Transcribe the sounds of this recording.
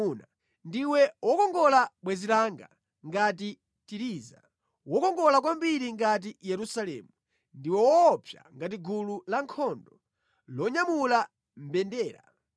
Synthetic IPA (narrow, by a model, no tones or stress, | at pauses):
na | ndiwɛwɔkɔŋɡɔlaɓwɛzilaŋɡa̰ | ŋɡat̬i | tiɾiːza̰ | wɔkɔŋɡɔlak̬wambiɾiŋɡat̬ijɛɾusalɛ̰ːmu | ndiwɛwɔːpʰja̰ŋɡat̬iɡululaŋkʰɔndɔ | lɔɲamula | m̩bɛndɛːɾa